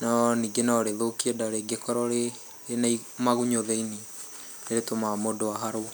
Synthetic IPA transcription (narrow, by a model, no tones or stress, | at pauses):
nɔniːŋɡenaɔɾeðokiedaɾeɡekɔɾɔɾe | enaimaɣuɲoðeini | eɾetomamodoaɦaɾo